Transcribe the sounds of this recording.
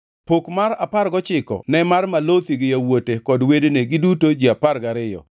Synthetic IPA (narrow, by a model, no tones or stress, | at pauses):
pokmaɾaparɡɔt͡ʃɪkɔ̰nɛmarmalot̪iɡɪjawotekɔdwedneɡɪdutod͡ʒiaparɡaɾɪjɔ̰